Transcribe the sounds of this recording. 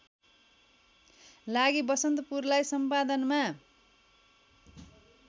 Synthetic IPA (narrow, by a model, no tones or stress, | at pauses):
laɡibʌsʌnt̪ʌpurlajsʌmpad̪ʌnma